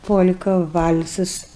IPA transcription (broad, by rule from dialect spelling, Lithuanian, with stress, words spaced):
poːlʲkɐ ʋɐlʲsɐs